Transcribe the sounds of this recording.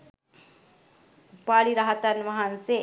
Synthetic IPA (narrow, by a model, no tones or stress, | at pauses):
paɭiɾaɦat̪anʋaɦanse